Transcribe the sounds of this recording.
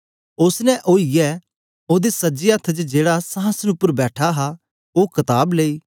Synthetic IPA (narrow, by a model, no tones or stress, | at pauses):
ʊsnɛ̃ʔoːijɛː | oːd̪esəd͡ʒiət̪ʰːt͡ʃd͡ʒeːɽasãːsənʊpːəɾbɛːʈʰaɦa | oːkɐt̪aːbleːiː